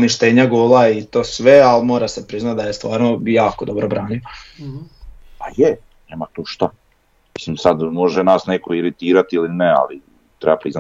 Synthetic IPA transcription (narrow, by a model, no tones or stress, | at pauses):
niʃt̪e̞ːɲaɡoːlait̪o̞ːsʋealmo̞ːɾasepɾiznat̪̚d̪ajest̪ʋaːɾnojaːkod̪o̞bɾobɾaːnio | paje | neːmat̪uːʃt̪a | misimsad̪mo̞ʒenasnekoiɾit̪iːɾat̪ilinea̰li | t̪ɾebapɾizna